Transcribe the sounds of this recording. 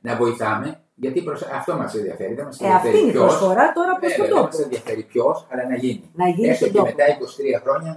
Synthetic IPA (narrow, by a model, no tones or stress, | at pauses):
nɐvo̞iθɐme̞ | ʝɐt̪ipɾosɐft̪o̞mɐsenðiɐ̰fe̞ɾiðemɐseeɐɐfet̪iniosfoɾɐt̪o̞ɾɐposɐt̪omɐsenðiɐfe̞ɾipço̞sɐlɐnɐʝininɐʝieset̪eme̞t̪ɐiko̞si̥t̪ɾiɐxɾo̞ɲɐ